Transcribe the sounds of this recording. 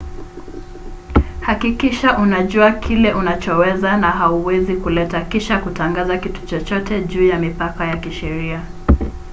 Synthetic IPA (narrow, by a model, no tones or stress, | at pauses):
hakikiʃaʔunaʄuakʰilɛʔunat͡ʃɔwɛzanaɦauwɛzikulɛtakiʃakutaŋɡazakitu̥t͡ʃɔt͡ʃɔtɛʄuːjamipakajakiʃɛɾia